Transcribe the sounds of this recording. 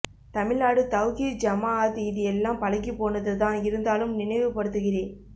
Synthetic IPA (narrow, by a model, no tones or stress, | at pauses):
t̪ɐmɪlnaːɽɯt̪ɐʋɣid͡ʒɐmaːaːðiðɪjɛlːãːmpɐlɐkːipːoːnɐðɯt̪ãːɪɾɯnd̪aːlɯmnɪnɐɪʋɯpɐɽɯt̪ːɯɣɪɾeː